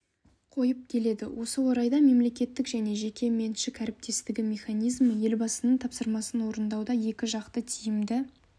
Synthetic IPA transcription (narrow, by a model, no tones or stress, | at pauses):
qʰo̞jəp̚kʲʰe̞le̞d̪ɪ̰wʔo̞səwo̞ɾɑjd̪ɑme̞mle̞kʲe̞t̪ːɪkʒæne̞ʒe̞kʲʰe̞me̞nʃɪkʲʰæɾɪp̚t̪e̞st̪ɪɡʲɪmʲe̞χanijzməje̞lbɑsənəɴt̪ʰɑpsəɾmɑsənwo̞ɾənd̪ɑwd̪ɑje̞kʲɪʒɑqt̪ət̪ʰijɪmd̪ɪ